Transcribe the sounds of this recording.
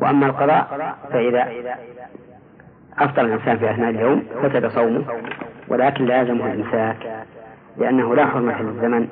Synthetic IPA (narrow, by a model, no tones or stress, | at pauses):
wa̰ʔamːalqɑðˤɑːʔfaʔɪða | ʔɑft̪ˤɑɾalʔɪnsaːnfiʔaθnaːʔɪljowmfasad̪asˤɑwmʊhwʔa̰laːkɪnlaaːzɪmʊhʊlʔɪmsaːk | lɪʔanːaɦʊlaħʊɾˤmat̪lɪzːaman